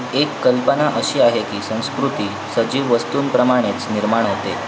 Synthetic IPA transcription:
ekːəlpənaʔəɕiːaɦekiːsə̃w̃skɾut̪iː | səd͡ʑiːʋʋəst̪uːnpɾəmaɽ̃et͡sniɾmaɳ̃ɦot̪e

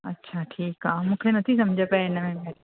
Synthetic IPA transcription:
ɐ̰tːʃʰaʈʰiːkɦaːmʊkʰenɐt̪ʰisɐ̃md͡ʒʱəpɛɪnəmẽmeːɾ

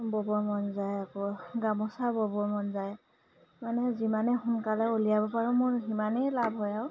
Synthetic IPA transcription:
bɔbɔɹmɔnzajakɔɡamɔsabɔbɔɹmɔnzaj | manɛzimanɛxʊnkalɛolijabɔpaɹũmʊɹɦimanɛjlabʱɦɔjaw

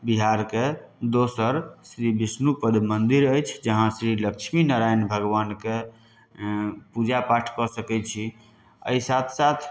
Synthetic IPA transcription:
biɦaɾke | d̪osəɾsɾibisnupəd̪ʱmənd̪iɾəjt͡ʃʰd͡ʒəɦãsɾilək̚t͡ʃʰminəɾajnbʱəɡʋanke | pud͡ʒapaʈʰkɔsəkɛt͡ʃʰi | ə̰isat̪ʰsat̪ʰ

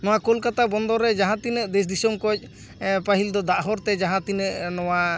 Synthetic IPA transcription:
nɔwakɔlkat̪abɔnd̪ɔɾːɛd͡ʒaɦãt̪inəʔd̪ɛs̬d̪isɔmkɔc̚ˀ | paɦild̪ɔd̪aʔɦɔɾt̪ɛd͡ʒaɦãt̪inəʔnɔwa

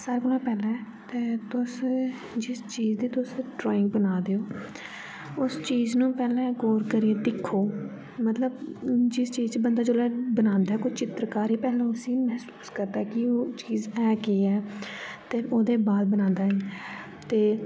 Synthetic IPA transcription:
saːɾeːɡʊlãːpɛːlɛ̃ | t̪eːt̪ʊs | d͡ʒɪst͡ʃiːzd̪iːt̪ʊsɖɾɔːɪ̃ŋɡ̚bənaːd̪eoː | ʊst͡ʃiːznũːpɛːlɛ̃ːɡoːɾkəɾieːd̪ɪkʰːoː | mət̪ləbd͡ʒɪst͡ʃiːzt͡ʃbənd̪aːd͡ʒoːlaːbənãːnd̪aːɛːkʊd͡ʒt͡ʃɪt̪ɾəkaːɾiːpɛːlɛ̃ʊsĩːmɛɦsu̥ːskəɾd̪aɛkɪoːt͡ʃiːzɛːkeːɛːt̪eːoːd̪eːbaːd̪̚bənãːnd̪aːɦɛ | t̪eː

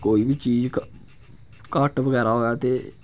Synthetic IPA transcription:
koːiːbiːt͡ʃiːzk | kaːʈʋəɡɛːɾaɦoːaːt̪eː

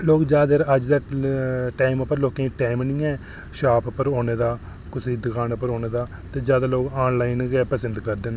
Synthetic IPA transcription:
loːɡd͡ʒjaːd̪eːɾəd͡ʒd̪aːʈaːɪməpəɾloːkẽːiʈɛːmnĩːɛː | ʃaːppəɾoːneːd̪aː | kʊsiːd̪əkaːnpəɾoːneːd̪aː | t̪eːd͡ʒjaːd̪aːloːɡaːnlaːɪnɡɛːpəsənd̪kəɾd̪eːnː

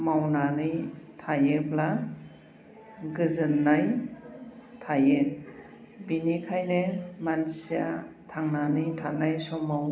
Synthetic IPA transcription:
mawnanɯjtʰajebla | ɡɯzɯnːaj | tʰaje | binikʰajnemansijatʰaŋnanɯjtʰanajsɔmawn

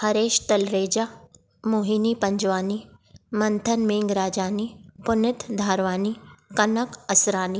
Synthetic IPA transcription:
hɐɾeːʃt̪ɐlɾeːd͡ʒaː | moːɦiːnipɐ̃ɲd͡ʒʋaːnimɐnt̪ʰənmẽːŋɡɾaːd͡ʒaːnipʊnɪt̪ʰd̪ʱaːɾʋaːnikɐnəkɐsɾaːni

